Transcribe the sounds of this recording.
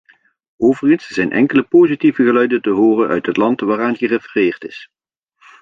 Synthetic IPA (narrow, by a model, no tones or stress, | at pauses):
ʔowvərɣənsz̥ɛjnʔɛ̰ŋkələpoːzitivəɣəlœɥdəntəɦoːrənʔœ̰ɥtɦətlɑntʋaːraːnχərefərɪːrtɪs